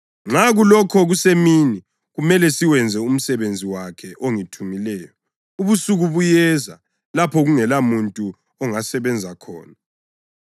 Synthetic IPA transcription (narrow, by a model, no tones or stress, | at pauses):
ŋ͡ǁaɣulɔkʰɔɣusemini | ɣumɛlɛsiwɛnd͡zʱɛum̩sɛβend͡zʱiwakʰɛʔoŋitʰumilɛːjɔ | uβusuɣuβujɛza̰ | lapʰɔɣuŋɛlamuntʼu | ɔŋasɛβɛnd͡zʱakʰɔ̰ːna